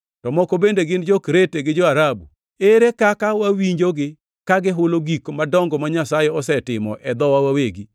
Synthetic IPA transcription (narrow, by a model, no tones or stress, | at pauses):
tɔmɔkobendeɡɪnd͡ʒokɾeteɡɪd͡ʒɔaɾabṵ | eɾekakawawiɲd͡ʒoɡɪ | kaɡɪɦʊloɡikmadɔŋɡɔmaɲasajeɔsɛtɪmɔ̰ʔɛd̪ɔwawaweɡi